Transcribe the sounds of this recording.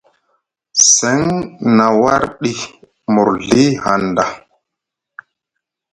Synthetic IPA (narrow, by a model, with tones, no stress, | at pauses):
se˨˦ŋna˨wa˦ɾɗi˦ | mu˨ɾɮi˦ha˨nda˨